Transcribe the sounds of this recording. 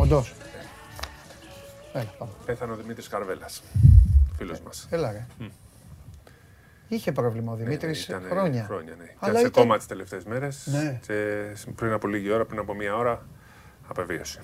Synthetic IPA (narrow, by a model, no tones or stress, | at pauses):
ond̪os | elɐpɐpeθɐneoðimit̪ɾiskɐɾvelɐs | filo̰zmɐselɐɾe | içe̞pɾo̞vlimɐoðimit̪ɾisit̪ɐnexɾoɲɐxɾoɲɐ̰neiɐɐlɐsekomɐt̪i̥st̪e̞le̞ft̪e̞ezme̞ɾe̞snnecepɾinɐpo̞liʝio̞ɾɐpɾinɐpo̞miɐo̞ɾɐː | pe̞viosi̥